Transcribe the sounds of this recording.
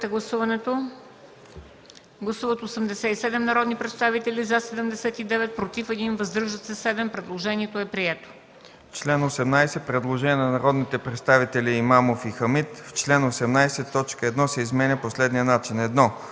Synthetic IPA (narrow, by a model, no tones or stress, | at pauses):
t̪ɛɡlˠɐsuvɐnɛt̪o | ɡlˠɐsuvɐt̪oosəmd̪ɛsɛisɛd̪ɛmnɐɾɔd̪nipɾɛt̪st̪avit̪ɛlizasɛd̪ɛmd̪ɛsɛt̪id̪ɛvɛt̪̚pɾot̪ifɛd̪invɐzd̪ɾʒət̪sɛsɛd̪ɛmpɾɛd̪lˠoʒɛniɛt̪oɛpɾiɛt̪o̥ | t͡ʃlɛnosɛmnajsɛpɾɛd̪lˠoʒɛnʲiənɐnɐɾɔd̪nit̪ɛpɾɛt̪st̪avit̪ɛliːmamofixəmit̪ft͡ʃlɛnosɛmnajsɛt̪ːɔt͡ʃkəɛd̪nɔsɛizmɛnʲəposlɛd̪nijənat͡ʃinɛd̪nɔ